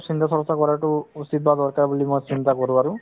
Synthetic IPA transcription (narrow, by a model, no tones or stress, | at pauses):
sint̪asʰɔɹɔstakɔɹaʈʊusit̪̚bad̪ɔɹkaɹbulimojsint̪akɔɹʊ̃aɹʊ̃